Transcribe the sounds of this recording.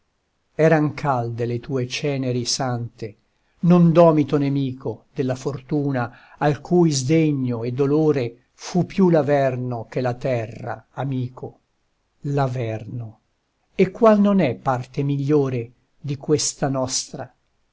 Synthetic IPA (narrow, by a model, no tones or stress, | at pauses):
ɛːɾaŋkʰald̪elet̪uːet͡ʃɛːneɾisant̪e | nond̪ɔːmit̪onemiːkod̪elːafort̪uːna | alkʰuːjzd̪eɲːoed̪ːoloːɾe | fupːjulavɛrnok̟elat̪ɛrːa̰amiːkʰo | lavɛrno | ekːwalnonɛpːart̪emiʎːoːɾe | d̪ikwest̪anɔst̪ɾa